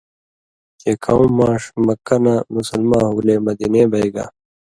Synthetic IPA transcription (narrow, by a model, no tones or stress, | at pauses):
t̪eːkʰɐũmːãːʂmɐkːɐnaːmusɐlmãːɦuːleːmɐd̪ineːbʱɐiɡa̰ː